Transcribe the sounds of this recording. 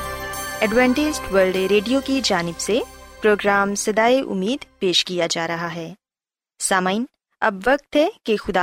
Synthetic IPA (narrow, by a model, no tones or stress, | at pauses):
ɛɖʋɛ̃ːɳʈɪd͡ʒʈʋəɾlɖɾeːɖijokid͡ʒaːnɪbsepɾoːɡɾaːmsɐd̪aːiʔʊ̰mːiːd̪peːʃkijad͡ʒaːɾɐɦaɦɛː | saːmaːin | ɐ̰bʋɐk̚t̪ɦɛkexʊd̪aː